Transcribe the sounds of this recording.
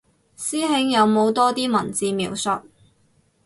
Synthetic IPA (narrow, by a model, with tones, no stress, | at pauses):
siː˥ɦɪ˨˥ŋjɐ˨˧wmo˨˧wt̪ɔː˥t̪iː˥mɐ˨˩nt͡siː˨˧miː˨˩wsʊ˨t̚